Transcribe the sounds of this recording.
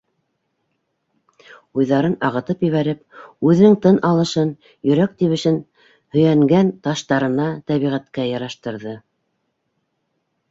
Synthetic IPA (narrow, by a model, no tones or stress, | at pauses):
ujðɑɾɤnɑʁɤ̆t̪ɤpjɘ̆βæɾɘpʉðɘ̆nɘŋt̪ɤnʔɑlˠɤ̆ʃɤn | jɵ̆ɾæk̚t̪iβɘ̆ʃɘn | hɵ̆jæŋɡænt̪ɑʃt̪ɑɾɤ̆nɑt̪æβiʁæt̪kæjɑɾɑʃt̪ɤ̆ɾðɤ